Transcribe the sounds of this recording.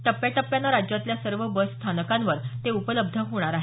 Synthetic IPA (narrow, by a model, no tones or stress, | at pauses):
ʈ̪əpːjaʈəpːjanːaɾad͡ʑjat̪ljasəɾʋəbəsst̪ʰanəkãnʋəɾt̪eupələb̚d̪ʱəɦoɽ̃aɾaɦe